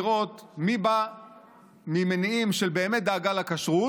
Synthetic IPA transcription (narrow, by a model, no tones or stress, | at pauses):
ʁo̞t̪miba | mimeniimʃe̞lbe̞ːmet̚d̪aːɡalakaʃʁu